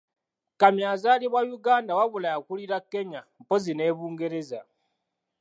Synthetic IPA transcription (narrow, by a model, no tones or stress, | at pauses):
kamjaːzaːliβwajuɡaːndawaβulajakuliɾakːe̞ɲampozine̞ːβuːŋɡe̞ɾe̞za